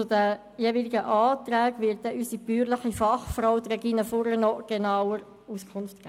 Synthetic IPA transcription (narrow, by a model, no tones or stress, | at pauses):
t͡sʊdə | jeːviliɡəʔɑːt̪ɾæːɡʋɪt̚dɛʔysibyːɾlɪχifɑχfrɔwt̪ɾɛɡinəfʊɾənɔɡ̥enɑwəɾ | uskʰʊnftɡ̥æ